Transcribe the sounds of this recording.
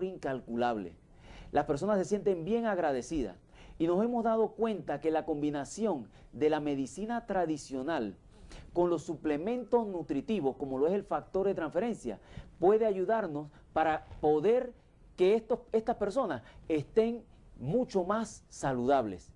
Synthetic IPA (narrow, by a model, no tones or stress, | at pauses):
ɾiŋkalkulaβlḛ | laspe̞ɾs̬o̞nasːe̞sjent̪e̞mbje̞ŋaɣɾað̞e̞siða̰s | ino̞se̞mo̞zðað̞o̞kwe̞nt̪ake̞lako̞mbinasjo̞ŋ | d̪e̞lame̞ðisinat̪ɾaðisjo̞nal | ko̞nlo̞sːuple̞mẽ̞nt̪osnut̪ɾit̪iβo̞sko̞mo̞loe̞selfak̚t̪o̞ɾðe̞t̪ɾaɱfe̞ɾe̞nsja̰pwe̞ðe̞aʝuðaɾno̞s | paɾapo̞ðe̞ɾ | ke̞est̪oest̪aspe̞ɾso̞nase̞st̪e̞ŋ | mũt͡ʃo̞masːaluðaβle̞̰s